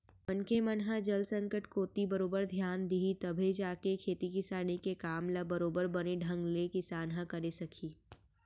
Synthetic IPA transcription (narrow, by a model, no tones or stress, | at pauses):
mɐnkemɐnɦãd͡ʒɐlsɐ̃ŋkəʈkoːt̪ibɐɾoːbəɾd̪ʱjaːnd̪iɦit̪ɐbʱed͡ʒaːkekʰeːt̪ikɪsaːnikekaːmlabɐɾoːbəɾbɐneɖʱɐ̃ŋɡlekɪsaːnɦãkɐɾesɐkʰiː